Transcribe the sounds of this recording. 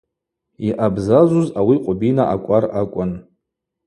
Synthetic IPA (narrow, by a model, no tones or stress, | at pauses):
iʔabzazuzawiqʷʼʊbinaʔakʷʼarakʷʼʊn